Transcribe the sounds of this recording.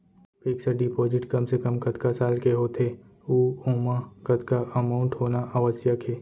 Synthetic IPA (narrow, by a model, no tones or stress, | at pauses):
piːksəɖipɔːd͡ʒɪʈkɐmsekəmkɐt̪kasaːlkeɦoːt̪ʰe | uːõːmãkɐt̪kaʔɐmaːʊ̃ɳʈɦoːnaʔaːʋəsjakʰeː